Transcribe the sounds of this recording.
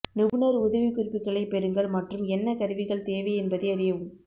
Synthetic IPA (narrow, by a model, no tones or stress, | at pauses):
nɪʋɯnɐɾʊðɐʋikʊɾɪpːɪkːɐɭɐɪpɛɾɯŋɡɐɭmɐʈrɯmɛnːɐkɐɾɯʋɪɣɐɭt̪eːʋɐɛnbɐðɐɪɐɾɪjɐʋɯm